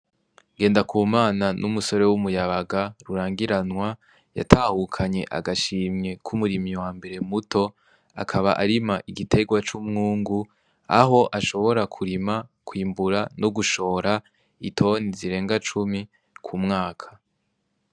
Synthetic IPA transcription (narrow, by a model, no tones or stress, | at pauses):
ɡe̞ːndakʰuːmaːnanʔumuso̞ɾe̞wumujaβaɡaɾuɾaːŋɡiɾanwa | ja̰tʰaːhukʰaɲe̞ʔa̰ɡaʃiːmɲe̞kʰumuɾimiwaːmbe̞ɾe̞muto̞ | a̰kʰaβaʔaɾimaʔiɡitʰe̞ɡwat͡ʃumŋuːŋɡu | a̰ɦo̞ʔaʃo̞βo̞ɾakʰuɾimakwiːmbuɾanoɡuʃo̞ːɾa | itʰo̞niziɾe̞ːŋɡat͡ʃumi | kʰumŋaːkʰḁ